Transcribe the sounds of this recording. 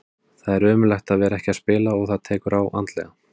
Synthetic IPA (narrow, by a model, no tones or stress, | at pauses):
θaðɛɾʏːmʏlajxt̪aðvɛːɾaɛhcɪaðspɪːlaɔɣθaðt̪ʰɛːkʏɾawʔa̰nt̪lɛ̰ɣa